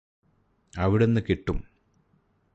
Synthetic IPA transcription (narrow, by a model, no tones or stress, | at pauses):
ɐʋiɽenːɨkeʈːum